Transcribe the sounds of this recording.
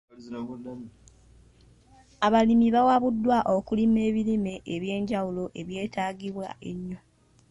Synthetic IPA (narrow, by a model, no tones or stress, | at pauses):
aβalimiβawaβudːwaʔokulime̞ːβilime̞ʔeβje̞ːɲɟawulo̞ʔe̞βje̞ːtaːɡiβwa̰ʔe̞ɲːo